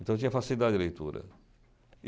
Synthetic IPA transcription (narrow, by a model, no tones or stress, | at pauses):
nt̪ɐ̃w̃t͡ʃ̪iɲɐfasiid̪ad̪ilejt̪ṵːɾɐ̰